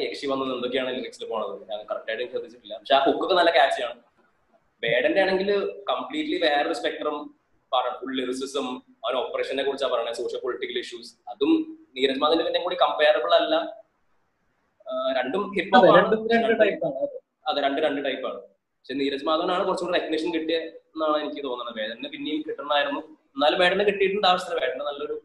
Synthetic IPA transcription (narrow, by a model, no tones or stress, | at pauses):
ekʂiʋɐnːɐðe̞nd̪o̞kːejaːɳɨenːikeksilpo̞ːɳɐðɨɲaːŋkɐrɐk̚ʈːaːjʈːejumt͡ɕeːd̪ʱːit͡ɕːiʈːilːɐpɐkʂeokːo̞kːenɐlːɐkaːt͡ɕːjaːɳɨ | ʋe̞ːɽɐndejaːɳe̞ŋɡilkɐmpɭiːʈːliʋe̞ːrɐðɨspek̚ʈrɐm | pɐɐuɭːiɾisisɐm | ɐʋɐnopːreːʂɐnːekːurit͡ɕːaːlpɐrɐjɳsoːʂjɐlpo̞liʈːikːɐliʂjuːsɐðumniːɾɐd͡ʑɐmaːðinɨpinːekuːɽikɐmpeːrepːɐɭːɐlːɐ | ɾe̞ɳɖumipːoɐaɾeɳɖuɾeɳɖɨʈɐjpːaːɳɨɐðɨ | ɐðɨɾeɳɖɨɾeɳɖɨʈɐjpːa̰ːɳɨ | pɐkʂeniːɾɐd͡ʑɐmaːðɐʋnaːɳɨkurɐt͡ɕːukuɳɖirekniʂɐnkiʈːijɐenːaːɳɨenikʲːɨt̪o̞ːnːɐɳːɐʋeːnːɨpinːejumkiʈːunːðaːjiɾunːuenːaːlumʋe̞ːɽɐnːɨkiʈːijʈːunɐd̪aːʋɐsɐɾɐʋe̞ːɽɐnːɐnɐlːɐo̞ɾu